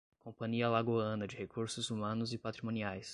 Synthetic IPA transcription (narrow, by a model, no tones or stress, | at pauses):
kõpɐ̃ɲiɐlaɡoɐ̃nɐd͡ʒɪhekuɾsʊzumɐ̃nʊzɪpat̪ɾimõniajs